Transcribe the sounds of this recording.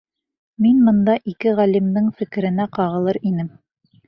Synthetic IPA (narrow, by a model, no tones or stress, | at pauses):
minmɤ̆nd̪ɑʔikɘʁælimd̪ɘŋfɘ̆kɘ̆ɾɘ̆næqɑʁɤ̆lˠɤɾinɘm